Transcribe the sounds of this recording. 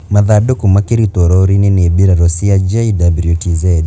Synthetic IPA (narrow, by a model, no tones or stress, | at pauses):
maðadokumakiɾit̪oɾɔɾinenebiɾaɾosiad͡ʒaidabɾiotizɛd